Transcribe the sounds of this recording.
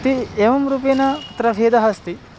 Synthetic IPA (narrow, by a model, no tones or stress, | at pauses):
t̪ieʋɐmɾuːpeːnɐpɐt̪ɾɐʋʱeːd̪ɐɦɐst̪i